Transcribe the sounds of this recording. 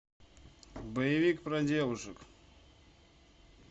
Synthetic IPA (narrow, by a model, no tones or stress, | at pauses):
bəjɪvʲikpɾɐdʲevʊʂɨk